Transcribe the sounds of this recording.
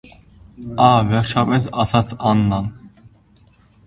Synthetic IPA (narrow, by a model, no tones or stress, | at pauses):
ɑvɛɾt͡ʃʰɑpʼɛsɑsɑt͡sʰɑnːɑn